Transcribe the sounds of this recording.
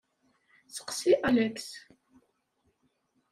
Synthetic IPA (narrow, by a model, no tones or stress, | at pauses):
sə̥qsiʔælæks